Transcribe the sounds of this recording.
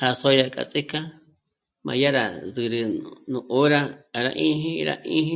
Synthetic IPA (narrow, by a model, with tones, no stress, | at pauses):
ha˧so˦ja˧kʼa̰˧t͡sʼi˦kã˦ | mã̰˧ja˦ɾa˨ðɨ˧ɾɨ˧nũ˧˨ʔo˦ɾa˦˨ɾa̰˧ʔĩ˦ɦĩ˦˧ɾa̰˦˧ʔĩ˦ɦĩ˦